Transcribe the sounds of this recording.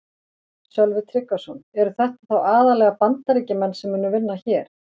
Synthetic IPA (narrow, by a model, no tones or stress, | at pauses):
sœlvʏt̪ʰɾɪkːasɔnɛɾʏθɛht̪ḁθawaːðalɛɣapant̪aɾiːcɪmɛnːsɛmːʏːnʏvɪnːaçɛːɾ̥